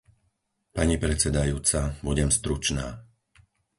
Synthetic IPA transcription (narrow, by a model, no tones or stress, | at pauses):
paɲipɾɛt͡sɛd̪ajuːt͡sabuɟɛmst̪ɾut͡ʃnaː